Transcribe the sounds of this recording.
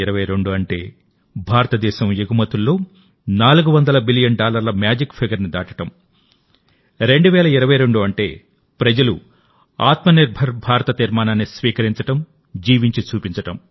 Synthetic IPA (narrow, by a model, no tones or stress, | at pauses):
iɾɐʋɐjɾeɳɖuɐɳʈe̞̰ː | bʱaːɾɐt̪ɐd̪ɛːʃɐmjeɡumɐt̪ulːo̞ː | naːluɡuʋɐnd̪ɐlɐbilijɐnɖaːlɐɾlɐmjaːd͡ʒikpʰiɡɐɾnid̪aːʈɐ̥ʈɐm | ɾe̞ɳɖuʋɛːlɐiɾɐʋɐjɾe̞ɳɖuɐɳʈe̞̰ː | pɾɐd͡ʒɐlu | aːt̪mɐniɾbʱɐɾbʱaːɾɐt̪ɐt̪iɾmaːnaːnːisʋiːkɐɾiɲt͡ʃɐʈɐm | d͡ʒiːʋiɲt͡ʃit͡ʃuːpiɲt͡ʃɐʈɐm